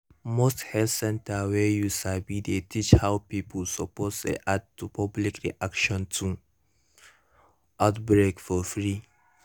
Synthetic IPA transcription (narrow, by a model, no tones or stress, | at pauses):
mosthɛlsɛ̃ntawɛjusabidetit͡ʃhawpipʰəlsɔposlḛʔad̚tupʰɔblikɹḭʔakʃɔ̃ntʰu | ʔaʊtbɹekfɔfɹi